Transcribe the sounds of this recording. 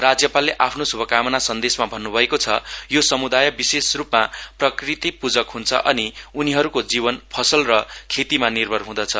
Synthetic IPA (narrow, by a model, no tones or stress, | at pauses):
rad͡zjʌpalːeʔapʰnosubʱʌkamʌnasʌnd̪esmabʱʌnːubʱʌekot͡sʰʌ̰josʌmud̪ajʌbisesrupmaprʌkrit̪ipud͡zʌkɦunt͡sʰʌ̰ʔʌniuniɦʌɾukod͡ziβʌnpʰʌsʌlrʌkʰet̪imanirbʱʌrɦũd̪ʌt͡sʰʌ